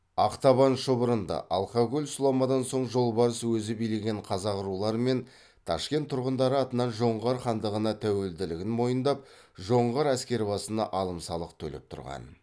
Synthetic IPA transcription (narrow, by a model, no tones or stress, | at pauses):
ɑqt̪ɑβɑnʃəbəɾənd̪ɑ̰ʔɑ̰lˠqɑɡʲʊlʲsʊlˠomɑd̪ɑnso̞ɴʒo̞lˠbɑɾəswɵzɪbijleɡʲe̞ɴqʰɑzɑʁʊɾulˠɑɾme̞n | t̪ʰɑ̰ʃkʲe̞nt̪ʰːʊɾʁənd̪ɑɾəɑt̪ənɑnʒo̞ɴʁɑɾχɑnd̪əʁənɑt̪ʰæwe̞ld̪ɪlɪɡʲɪnmo̞jənd̪ɑp̚ | ʒo̞ɴʁɑɾæskʲe̞ɾɪbɑsənɑ̰ʔɑlˠəmsɑlˠəq̚t̪ʰɵ̰lḛp̚t̪ʰʊ̰ɾʁɑ̰n